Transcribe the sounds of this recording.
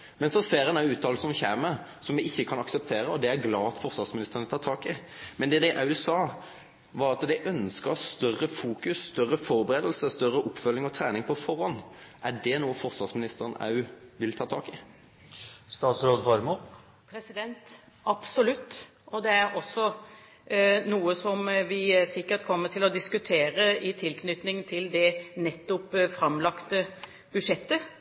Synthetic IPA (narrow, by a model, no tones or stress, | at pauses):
mɛnsɔseːɾənɑʉːt̪ʰːɑːlsɔmçæːməsɔmʋɛɪçːəkʰɑnɑksɛp̚t̪ʰeːɾəɔd̪ɛæɾɡlɑːɑt̪fɔʁsʋɑʁsmɪnɪst̪ʁɾnət̪ʰɑːt̪ʰɑːkɪmɛnd̪ɛd̪æɪʔɑʉsɑː | ʋɑɾɑt̪d̪æɪʔœnskəʁst̪œrəfuːkʉsːt̪œrːəfɔɾbəʁeːd̪lsəst̪œɾəʔʊpːfœlːɪŋɔt̪ʰɾæːnɪŋpʰɔfɔʁɔnʔæɖɛnuːəfɔʁsʋɑʁsmɪnɪst̪əɾənʔɑ̰ʉʋɪlt̪ʰɑːt̪ʰɑːkɪ | st̪ɑːt̪sɾoːd̪fɑɾmo | pʰɾɛsɪd̪ɛnt̪ | ɑpsɔlʉt̪ː | ʔɔd̪ɛæɾɔsːɔ | nuːəsɔmʋɪsɪkːət̪kʰɔmːətʰɪlɔd̪ɪskʉt̪ʰeːɾəɪt̪ʰɪlkʰnʏt̪nɪŋt̪ʰɪld̪ɛnɛt̪ːʊpfɾɑmlɑkt̪ə | b̥ʉd̪ʂɛt̪ːə